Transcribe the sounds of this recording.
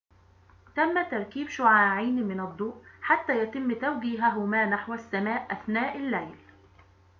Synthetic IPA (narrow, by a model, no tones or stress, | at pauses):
t̪æmːæt̪ɑɾˤkiːbʃʊʕaːʕiːnmɪnɑd̪ˤːuːʔħat̪ːæːjæt̪ɪmːt̪awɡiːɦæɦʊmæːnaħwæsːæmæːʔʔæθnæːʔɪlːæjl